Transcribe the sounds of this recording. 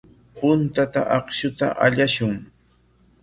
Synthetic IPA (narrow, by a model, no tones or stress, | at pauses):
pʊnt̪at̪a̰ʔɑχʃʊt̪a̰ʔaʎaʃʊŋ